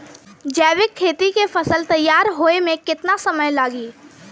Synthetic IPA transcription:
d͡ʒɛːʋɪkʰːeːt̪ikefɐsəlt̪ɐjːaːɾɦoːemẽkɪt̪nasɐməjlaːɡiː

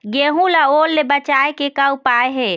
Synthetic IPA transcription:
ɡeɦũlaolːebət͡ʃaekekəwpaeɦe

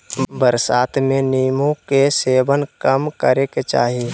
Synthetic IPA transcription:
bəɾsaːt̪mẽniːmõkeseːbənkəmkəɾeket͡ʃa̰ːɦi

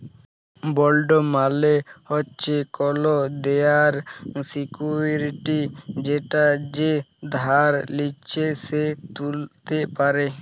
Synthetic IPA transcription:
bɔlɖomalehɔtːt͡ʃʰekɔlod̪eaɾsikuɾiʈid͡ʒeʈad͡ʒed̪ʱaɾlit͡ʃʰeset̪ult̪epaɾe

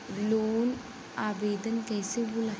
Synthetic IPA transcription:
loːn | aːʋeːd̪ɐnkɐjseʋulɐ

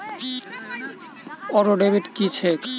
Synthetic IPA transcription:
ɔɾoɖebeʈkit͡ɕʰek

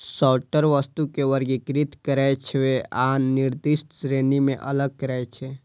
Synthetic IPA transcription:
sɔlʈəɾʋəst̪ukeʋəɾɡekɾɪt̪kəɾɛjt͡ʃʰeʋeʔaːnnɪɾd̪isʈsɾeːnimẽʔə̰ləɡ̚kəɾɛjt͡ʃʰe

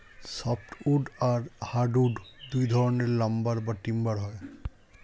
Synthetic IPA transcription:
sɔp̚ʰʈʰuɖaɹhaɖuɖd̪ujd̪ʱɔɹɔneɹlambaɹbaʈimbaɹɦɔj

